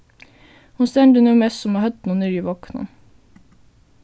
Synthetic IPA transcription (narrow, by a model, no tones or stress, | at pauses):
hʊnst̪ɛnd̪ʉːnuːmɛsɔmɑːhœt̪nuːnyːɾiːʋɑknə̰